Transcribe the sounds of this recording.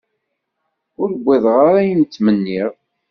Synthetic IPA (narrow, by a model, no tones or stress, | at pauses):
ʊɾɡʷːiðʁaɾæjənt͡s̪ːmənːiʁ